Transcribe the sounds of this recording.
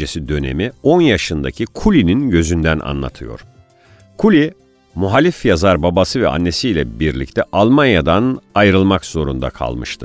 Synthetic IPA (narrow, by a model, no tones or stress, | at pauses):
esid̪ø̞ne̞̰mio̞njaʃɯnd̪acʰikʰulʲininɟø̞zynd̪æna̰nlˠa̰t̪ʰɯ̰jo̞̰ɾ̥ | kʰulʲi | muɦalʲifjazaɾbabasɯvɛa̰nːe̞sijlʲɛ̰biɾlʲict̪ʰɛʔalˠmanjad̪anajɾɯlˠmakz̥o̞ɾṵnd̪a̰kʰa̰lˠmɯʃt̪ʰɯ